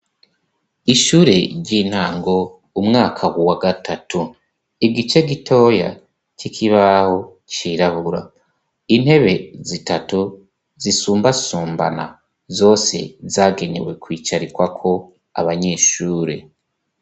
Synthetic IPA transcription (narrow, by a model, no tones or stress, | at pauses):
iʃuːɾe̞ɾɟin̥haːŋɡo̞ | umŋaːkʰawuwaɡatatʰu | iɡit͡ʃe̞ɡitʰo̞ja̰ | t͡ʃikʰiβaho̞ | t͡ʃiɾaβuɾa̰ | in̥he̞βe̞zitatu | zisuːmbasuːmba̰na̰ | zo̞ːse̞̰zaːɡe̞ne̞̰we̞kwiːt͡ʃaɾikwakʰo̞ | a̰βaɲe̞ːʃuːɾe̞̰